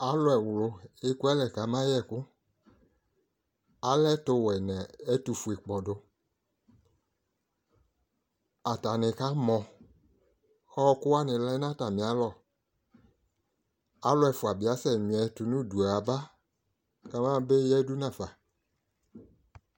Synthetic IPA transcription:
a˨˦lʊ˦ɛ˨wʊ˨lʊ˨e˦ku˦ɛ˦lɛ˨ka˨˦mã˦jɛ˦˨kʊ˦ | a˨˦lɛ˦tʊ˧wɛ˨nɛ̃˨ɛ˦tu˨fu˨e˨k͡pɔ˨dʊ˨ | a˨ta˨nɪ̃˨ka˦mɔ̃˨ | ɔ˦kʊ˦a˦nɪ̃˨lɛ˦nã˦ta˨mɪ̃˨a˨˦lɔ˦˨ | a˨˦lʊ˦ɛ˨fʊ˨a˨bɪ˨a˦sɛ˨nĩ˨ɛ˨tʊ˨nʊ̃˦˨du˨a˨a˨ba˦ | ka˦mã˦be˦jɛ˦du˦nã˨fa˨

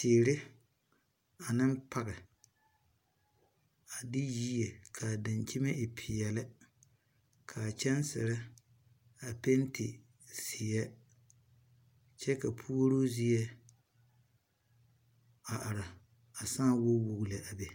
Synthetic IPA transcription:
sɪː˨ɾɪ˦ | a˨nɪ˦m˦pa˦ɣɪ˨ | a˨dɪ˦jiː˦je˨kʰa˨dɪ˨nt͡ʃɪ˦me˦ʔɪ˨pʰɪ˨jɛ˨lɪ˦ | kʰa˨t͡ʃɛ˦nsɪ̰˨ɾɪ˦ | a˨pe˦ntʰɪ̰˨ | sɪ˨jɛ˦ | t͡ʃɛ˦ka˨pʰu˦o˦ɾo˦zi˦ɛ˦ | a˨ʔa˨ɾa˨ | a˨sãː˦wo˦wo˨ɣle˨ʔa˨be˨

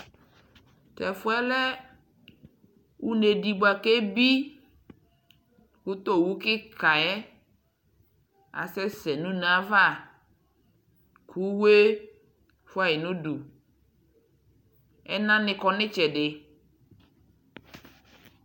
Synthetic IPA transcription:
t̪ɛ˨fo˦ɛ˦lɛ˦ | wu˦ne˨di˨ɡ͡bo˨a˨ke˦bi˦ | ku˦t̪o˦˨wu˦kɪ˦ka˨ɛ˦ | a̰˨sɛ˦sɛ˨nũ˦nã˦va˦˨ | kʰu˦we˦ | fu˦a˨je˨nũ˦ɖu˨ | ɛ˦nã˦nɪ̃˨kɔ˨nɪ̃˦t͡ʃɛ˨ɖe˨

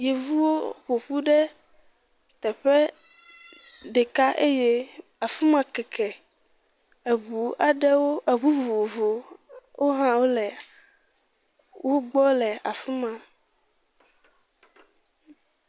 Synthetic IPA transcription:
je˨vu˦wo˦ɸo˨ɸu˦ɖɛ˦ | t̪ɛ˨ɸɛ˦ | ɖe˨ka˦ʔe˦je˦ | a˨fu˦mã˨kɛ˨kɛ˨ | e˨βu˨a˨ɖɛ˦wo˦e˨βu˦vo˨vo˨wʔo˦ɦã˦wo˦lɛ˨ | wʔo˦ɡ͡bɔ˦lɛ˨a˨fu˦mã˨

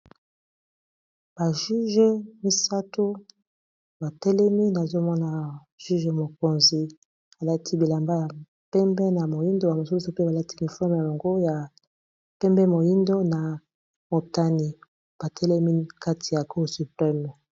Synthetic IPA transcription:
b̥a˨ʒy˦ʒe˦mi˦sa˦tʰo˦ | ba˨tɛ˦lɛ˦mi˦na˨zo˦mɔ˦na˨ | ʒy˦ʒe˨mo˨ko˨nzi˨ | a˨la˦tʰi˦bi˨la˨mba˦ja˨ | pɛ˦mbɛ˦na˨mo˨ji˦ndo˦ba˨mo˨su˦su˨pe˦ba˨la˦tʰi˦mi˨fɛ˦m˨a˨jo˨ŋɡo˦ja˨ | pɛ˦mbɛ˦mo˨ji˦ndo˦na˨ | mo˨ta˦ni˨ | b̥a˨tʰɛ˦lɛ˦mi˦ka˦tʰi˨ja˨ko˦˨su˨plɛ˦m˨

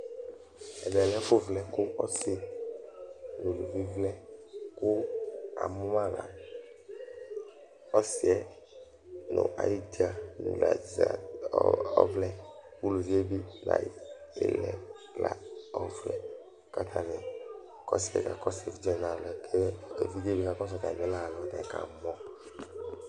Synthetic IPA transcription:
ɛ˨bɛ˨lɛ˦ɸo˦vlɛ˦ko˦ɔ˦si˦ | lo˨lu˨vi˦vlɛ˦ko˦a̰˨mu˦mã˦la̰˨ | ɔ˦si˨ɛ˦ | nõ̰˨ʔa̰˨ji˦d͡ʒi˦a˦˨n̰˨la˨za̰˨ | ɔ̰˦vlɛ˦ku˦lo˨vi˦e˦bi˦na̰˨ḛ˨lɛ˨ | la˨ɔ˦vlɛ˦ | ka˦t̪ʰã˦nɛ˨ | kɔ˦si˨˦ɛ̰˨ka˨kɔ˦sɛ˨fi˦d͡ʒɛ˦˨nã˨lɔ˨ke˦˨ke˨vi˦de˦bi˦ka˨kɔ̃˦s̬ɔ˨t̪ã̰˨ɛ˦la˦˨lɔ˨dɛ̃˨ka̰˨mɔ̃˦

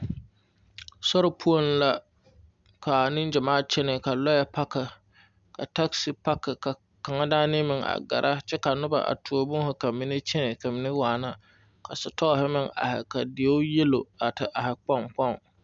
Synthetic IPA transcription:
sɔ˦ɾɪ˨pʰu˦o˦n˦la˦ | kʰa˨nɪ˦nd͡ʒɪ˨maː˦t͡ʃɛ˦nɪ˨ka˨lɔ˦jɛ˨pa˦kɪ˨ | ka˨ta˦ksi˨˦pa˦kːɪ˨ka˨ | ka˨ŋa˦daː˦nɪ˦mɪ˨ŋa̰˨ɡa̰˨ɾʔa˦t͡ʃɛ˦ka˨nʊ˦ba̰˨ʔa̰˨tu˨o˦bʊ˦ŋ˦hʊ˨ka˨mːɪ˨˦nɪ˦t͡ʃɛ˦nɪ˨ka˨mɪ˨nɪ˦waː˨na˦ | kʰa˨sʊ˨tɔ˦˨hɪ˦mɪ˦ŋa̰˨hɪ̰˨ka˨di˨e˦ʊ˦je˦lo˨a˨tɪ˨ʔa˨hɪ˨k͡pɔ˦˨ŋk͡pɔ˦˨ŋ

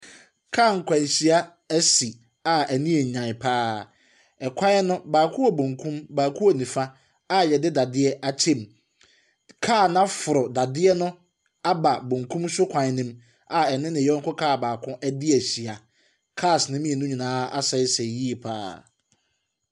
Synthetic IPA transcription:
kʰaː˦˨ŋ̩˨kʷʰã˨ɲ˨ɕi˨a˦ | æ˦si˨ | a˨æ˨nĩ˦e˨ɲã˨ɪ˨pʰaː˦ | ɛ˨kʷʰã˦nʊ̃˦baː˨kʰʊ̃˦ɔ˨bõ˨ŋkʰũ˦mbaː˨kʰũ˦ɔ˨nĩ˨fa˦ | a˨jɛ˨dɪ˦da˨dɪ˦ɛ˦ʔa˦t͡ɕʰẽ˦˨m | kʰaː˦˨nã˦fʊ˨ɾʊ˨da˨dɪ˦ɛ˦nʊ̃˦ | a˦ba˨bõ˨ŋkʰũ˦msʊ˦kʷʰã˨nɪ̃˦m | a˨ɛ˨nɪ̃˦nɪ̃˨ɛ˦ŋ̩˦kʊ˦kʰaː˦˨baː˨kʰʊ̃˦ʔɛ˦dɪ˦æ˨ɕi˨a˨ | kʰa˦˨snɪ̃˦mĩ˦e˨nʊ̃˦ɲĩ˨nãː˨˦a̰˦sɛ˦ɪ˦sɛ˨ji˦e˨pʰa̰ː˦

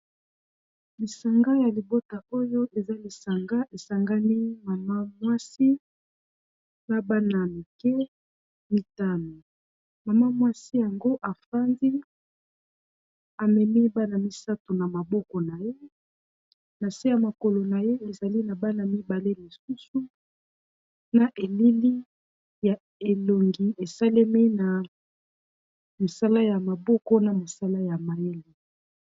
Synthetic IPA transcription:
li˨sa˨ŋɡa˦ja˨li˨bo˦ta˨o˦jo˦ʔe˨za˦li˨sa˨ŋɡa˦ʔe˨sa˨ŋɡa˦ni˦ma˨ma˦mwa˦si˦ | na˦ba˦na˨mi˨kɛ˦ | mi˦ta˦no˨ | ma˨ma˦mwa˦si˦ja˨ŋɡo˦ʔa˨fa˦ndi˦ | a˨mɛ˨mi˦ba˦na˨mi˦sa˦to˨na˨ma˨bɔ˦kɔ˨na˨je˦ | na˨se˦ja˨ma˨ko˨lo˨na˨je˦e˨za˨li˦na˨ba˦na˨mi˦ba˨le˦li˨su˦su˦ | na˨ʔe˨li˦li˦ | ja˨ | e˨lo˨ŋɡi˨e˨sa˦le˦mi˦na˨ | mo˨sa˦la˦ja˨ma˨bɔ˦kɔ˦na˨mo˨sa˦la˦ja˨ma˨je˦li˨

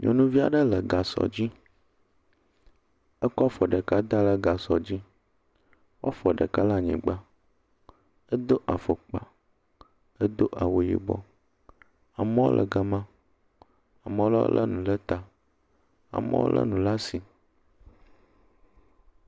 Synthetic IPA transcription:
ɲɔ̃˨nũ˦vi˦a˨ɖə˦lə˨ɡa˨sɔ̰˨d͡ʑi˦ | ə˦kɔ˦fɔ˨ɖə˨ka˦d̪a˦lə˦ɡa˨sɔ˨d͡ʑi˦ | wo̰˦fɔ˨ɖə̰˨ka˦la˦ɲɛ̰̃˨ɡ͡ba˦ | ə˦d̪o˦ʔa˨fo˨k͡pa̰˨ | ə˦d̪o˦ʔa˨wo˨jḭ˨bɔ̰˦ | a˨mə̃˦wo̰˦lʔə̰˨ɡə˨mã˦ | a˨mə̃˦lɔ̰˦lʔə̰˦nũ˨lə˦t̪a˨ | a̰˨mə̰˦wo̰˦lʔə̰˦nũ˨la˦si˨

